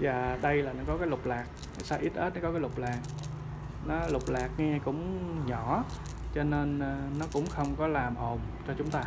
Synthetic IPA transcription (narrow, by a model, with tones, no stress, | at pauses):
vaː˨˩ɗə˧jlaː˨˩nɔ˨˦kɔ˨˦kaː˨˦jlʊ˨˩k͡p̚laː˨˩k̚ | a˨˦saː˧ʔi˦˥t̚ʔe˦˥t̚nɔ˨˦kɔ˨˦kaː˨˦jlʊ˨˩k͡p̚laː˨˩k̚ | nɔ˨˦lʊ˨˩k͡p̚laː˨˩k̚ŋɛ˧kʊ̰˧˥ŋ͡mɲɔ˧˩˦ | t͡ɕɔ˧ne˧nː˨˩nɔ˨˦kʊ̰˧˥ŋ͡mxə˧wŋ͡mkɔ˨˦laː˨˩mʔo˨˩mt͡ɕɔ˧t͡ɕʊ˨˦ŋ͡mt̪aː˧